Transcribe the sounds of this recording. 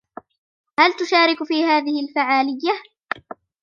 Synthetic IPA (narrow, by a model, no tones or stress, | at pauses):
halt̪ʊʃaːɾɪkfiːhaːðɪhɪlfaʕaːlɪjːa